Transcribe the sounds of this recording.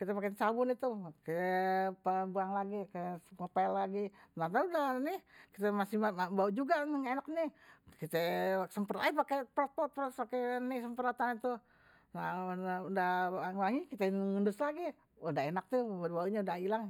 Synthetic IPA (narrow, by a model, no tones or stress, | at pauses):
kit̪ɛpakent͡ʃabʊnit̪ukit̪ɛpəbuaŋlaɡikəkopalːaɡinat̪adanikit̪ɛmasihabaud͡ʒuɡanəŋenaknikit̪ɛsəmpəɾa̰ipakepɾɔt̪̚pɔt̪̚pɾɔspakenisəmpəɾat̪anit̪u | naaudahŋaŋikit̪ɛŋəndʊslaɡi | udaɦenak̚t̪ubauɲaudahilaŋ